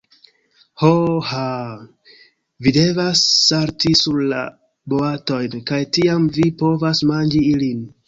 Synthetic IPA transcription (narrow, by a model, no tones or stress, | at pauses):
hoha | vide̞vasːaɾtisuɾla̰ | boato̞jnkajtiamvipo̞vasmand͡ʒiilin